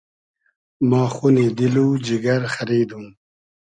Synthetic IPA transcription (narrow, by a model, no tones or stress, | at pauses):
mɑːxuned̪ilud͡ʒiɡaɾxaɾiːd̪ũ